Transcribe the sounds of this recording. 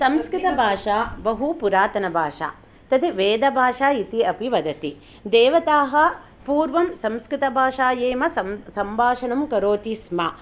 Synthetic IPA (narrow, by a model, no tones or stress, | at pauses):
sɐmskɾit̪ɐbʱaːʂaːbɐɦupuɾaːt̪ɐnɐbʱaːʂa̰ː | t̪ɐt̪ʰeʋeːd̪ɐbʱaːʂaːit̪iɐpiʋɐd̪ɐt̪i | d̪eːʋɐt̪aːɦɐ | puːɾʋɐmsɐmskɾit̪ɐbʱaːʂaːjeːmɐsɐsɐmbaːʂɐɳɐmkɐɾoːt̪ismɐ